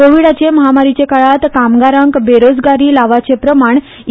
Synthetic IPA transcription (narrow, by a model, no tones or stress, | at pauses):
oʋiɽat͡ɕeməɦamaɾit͡ɕekaɭat̪kamɡaɾəŋkbeɾod͡zɡaɾiːlaʋat͡sepɾəmaɳ